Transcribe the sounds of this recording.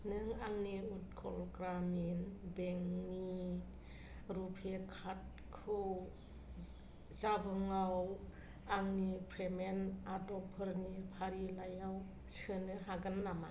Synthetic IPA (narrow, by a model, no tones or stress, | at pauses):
nɯŋaŋniut̚kʰɔ̰lɡɾaminbeŋni | ɾupʰekʰat̚ | kʰɯ | zabɯŋaw | aŋnipʰɾemenadɔpʰɯɾnipʰaɾilajaw | sɯnɯɦaɡɯnːama